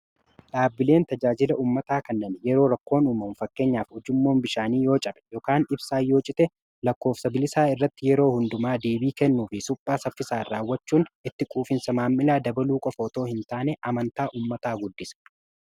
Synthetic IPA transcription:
ᶑaːbːɪle̞ːnt̪ɐd͡ʒaːd͡ʒɪlɐʔuːmːɐt̪aːkɐnːɐnjɛɾo̞ːɾɐkːo̞ːnuːmɐnfɐkːe̞ːɲːaːfɔd͡ʒɪmːo̞ːnbɪʃaːniːjo̞ːt͡ʃʼɐbɛ̥joːkaːnɪbsaːjːo̞ːt͡ʃʼɪt̪ɛ | lɐkːo̞ːfsɐbɪlɪsaːɪrːɐt̪ːɪjɛɾo̞ːhʊnd̪ʊmaːd̪iːbiːkɛnːuːfɪsʊpʼːaːsɐfːɪsaːrːaːwːɐt͡ʃːuːnɪt̪ːɪkʼuːfɪnsɐmaːmːɪlaːd̪ɐbɐluːkʼɔfoːt̪o̞ːhɪnt̪aːnɛʔɐmɐnt̪aːʔuːmːɐt̪aːɡʊd̪ːɪs

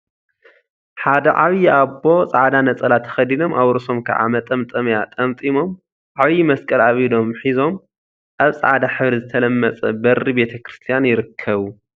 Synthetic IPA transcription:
ħad̪ɐʕaβjiabo̞sʼa̰ʕd̪anɐt͡sʼɐlat̪ʰːɐ̥xɐd̪ino̞mʔawɾso̞mkʰɐ̰ʕa̰mɐt̪ʼɐmt̪ʼɐmjat̪ʼɐmt̪ʼimo̞m | ʕaβjimɐskʼɐlaβid̪o̞mħizo̞m | ʔaβsʼa̰ʕd̪aħɨβɾizɨt̪ʰɐlɐmːɐt͡sʼɐ̰bɐɾibe̞t̪ʰɐkɾɨst̪ʰijanjɪɾɨkʰːɐβu

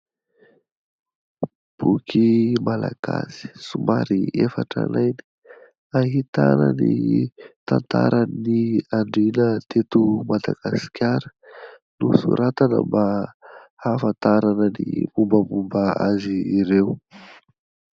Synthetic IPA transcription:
b̥ukʰimalaɡ̥asi̥sumaɾiefaʈ͡ʂa̰najni̥ | aɦit̪anənit̪ant̪aɾʔəniaɳɖ͡ʐinət̪et̪umad̪aɡ̥asi̥kʲjaɾə̥ | nusṵɾat̪anə̰mba | hafant̪aɾanənimumbəmumbəaziːɾew

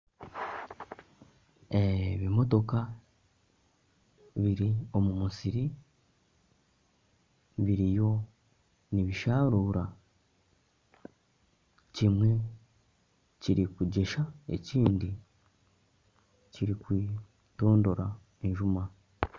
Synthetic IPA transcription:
e̞βimo̞to̞ka | βiɾio̞mumusiɾi | βiɾijo̞ | niβiʃaːɾuːɾa | cimwe̞ | ciɾikuɟe̞ʃae̞̰ciːndi | ciɾikwiː | to̞ːndo̞ɾa | e̞ɲʒuma

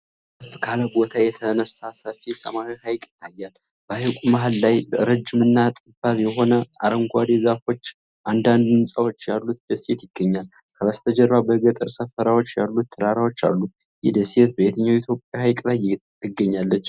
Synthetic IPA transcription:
ɨst̪kʰaləbo̞t̪ʰajɛt̪ʰənəsːasəfisə̰maɾihajkʼɪ̥t̪ʰːajːal | bəajkʷʼumaɦalːajɾəd͡ʒːɪmɨnːat̪ʼɨbaβjɛɦo̞nəaɾəmɡʷad̪ezafo̞t͡ʃː | ʔand̪and̪ɨnsʼawot͡ʃːjalːut̪̚d̪əsiet̪jɪɡːəɲːal | kʰəβəst̪ʰəd͡ʒəɾɾabəɡət̪ʼɨɾsəfəɾawo̞t͡ʃːja̰lːut̪ːʰədaɾawo̞t͡ʃːa̰lːu | jɪ̰d̪əsiet̪̚bəjet̪ʰəɲːawit̪ʰjo̞pʼjahajkʼlaj̪ | ɨɡːəɲːalːət͡ʃː

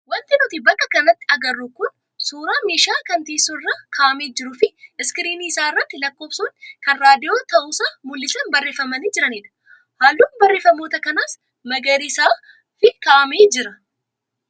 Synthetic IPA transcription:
wɐnt̪ɪnʊt̪ɪbɐkːɐkɐnɐt̪ːɪɐɡɐrːukʊn | suːɾaːmeːʃaːkɐnt̪iːsʊɪrːaːkʰaːʔɐmeːd͡ʒɪɾʊfɪɪskɪɾiːniːɪsaːɪrːɐt̪ːɪlɐkːo̞ːbsuːnkɐnɾaːd̪ɪjo̞ːt̪ɐʔuːsaːmʊlːɪsɐnbɐrːeːfɐmɐnid͡ʒɪɾɐniːᶑɐ̥ | haːlːuːnbɐrːe̞ːfɐmoːt̪ɐkɐnaːs | mɐɡɐɾɪsaː | fɪkaːʔɐmeːd͡ʒɪɾɐ

